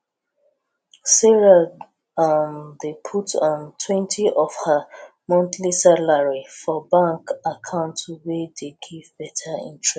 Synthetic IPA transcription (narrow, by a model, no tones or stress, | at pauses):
seɹa | amdepʰutʰɔ̃ntʰwɛ̃ntʰiʔɔfha | mɔ̃ntlisalaɹifɔbãŋkakʰãʊ̃ntuwedeɡivbɛtʰaḭ̃ntɹɛ